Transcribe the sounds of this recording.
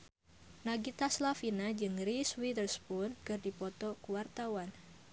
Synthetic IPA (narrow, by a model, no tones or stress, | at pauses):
naɡit̪aslafinad͡ʒɨŋɾiswidərspunkərdipɔt̪ɔkuwart̪awan